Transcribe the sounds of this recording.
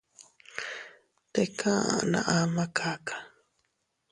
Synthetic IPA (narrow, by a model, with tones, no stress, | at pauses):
t̪ekʰã˦ã̰˨nã̰˨ʔa˦ma˦kʰa˦kʰḁ˨